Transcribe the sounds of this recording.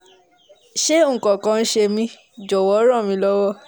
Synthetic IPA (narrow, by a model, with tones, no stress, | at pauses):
ʃe˦ŋ̩˨kɔ̃˨kã˧˦n̩˦ʃe˧mĩ˧ | d͡ʒɔ˨wɔ˨˦ɾã˦˨mĩ˧˦lɔ˦wɔ˦˨